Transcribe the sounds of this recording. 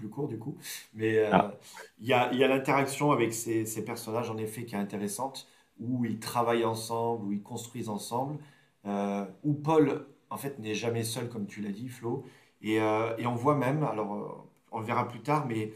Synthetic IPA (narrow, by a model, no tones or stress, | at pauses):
plykuʁd̪ykumɛøiljailjalɛ̃t̪eʁaksjɔ̃avɛksesepɛʁsɔnaʒɑ̃nefɛkʲiɛɛ̃t̪eʁesɑ̃t̪ | uilt̪χavajɑ̃sɑ̃bluilkɔ̃st̪χɥizɑ̃sɑ̃bl | øupɔlɑ̃fɛt̪nɛʒamɛsœlkɔmt̪ʰylad̪iflo | eøeɔ̃vwamɛma̰lɔʁø̰ | ɔ̃ləvɛʁaplyt̪aʁmɛ